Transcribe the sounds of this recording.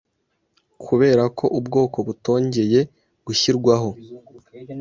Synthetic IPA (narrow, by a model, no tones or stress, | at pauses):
kʰuβe̞ːɾakʰo̞ʔubɡo̞ːko̞βuto̞ːɲɟe̞je̞ | ɡ̥uçiɾɡwaɦo̞